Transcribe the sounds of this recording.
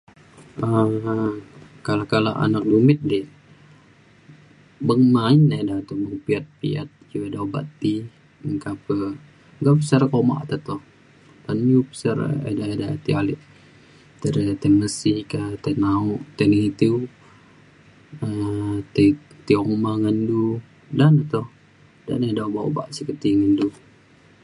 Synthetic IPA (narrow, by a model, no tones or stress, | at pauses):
ə | kalakala̰ʔa̰nak̚dumɪt̪̚di | bəŋmainedat̪uməŋpiat̪̚pḭa̰t̪̚d͡ʒuedauba̰t̪i | ŋkapə | ɡapəsaɾkoma̰ʔt̪at̪ɔh | t̪anupə̥saɾ̰ḛdaedat̪ialɛʔ | t̪əɾt̪eməsikat̪enauʔt̪eniŋit̪iu | ət̪e | t̪iomaŋəndu | danat̪ɔh | da̰nedaubaṵba̰ʔsikət̪iŋəndu